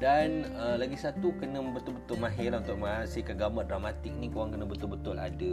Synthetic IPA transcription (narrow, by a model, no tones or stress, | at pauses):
dan | əlaɡisat̪ukənə̃bət̪ʊlbət̪ʊlmãɦɛlunt̪ʊʔ̚masikaɡamadramat̪ɪk̚nikowaŋkənə̃bət̪ʊlbət̪ʊla̰də